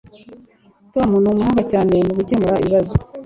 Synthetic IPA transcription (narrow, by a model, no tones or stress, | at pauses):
tomunumuhuːŋɡacaːne̞nuɡuce̞muɾaḭβazo